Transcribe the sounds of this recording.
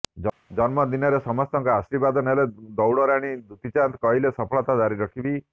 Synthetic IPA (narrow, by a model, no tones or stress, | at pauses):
d͡ʒɔnmɔd̪inɔɾesɔmɔst̪ɔŋkɔasɾibad̪ɔneled̪ɔwɽɔɾaɽ̃id̪ut̪it͡ʃant̪kɔɦilesɔpʰɔɭɔt̪ad̪aɾiɾɔkʰibi